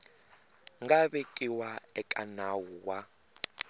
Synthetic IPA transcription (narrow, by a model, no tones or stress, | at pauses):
ŋɡaɓɛkʼiwaɛkʼanawuwa